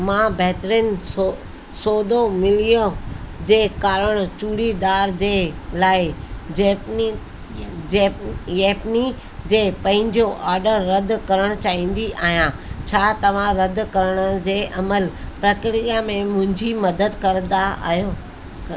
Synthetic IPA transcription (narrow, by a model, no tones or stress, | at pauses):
mãːbɛɦt̪ɾiənɪ̆o | soːd̪omɪlijod͡ʑeːkaːɾəɽ̃t͡ɕuːɽid̪aːɾd͡ʑeːlaːɪd͡ʑ | jɛːpni | d͡ʑeːpɐ̃ɦɪ̃ɲd͡ʑoʔaːɾɖəɾːɐd̪ʱkɐɾəɽ̃ʊt͡ɕaːĩːn̆d̪iʔaːɦijã | t͡ɕʰaːt̪ɐʋ̤ãɾɐd̪kɐɾəɽ̃ə̆d͡ʑeːʔɐməlpɾɐkɾijamẽmʊ̃ɦɪ̃ɲd͡ʑimɐd̪əd̪kɐɾnd̪aʔa̰ɦijo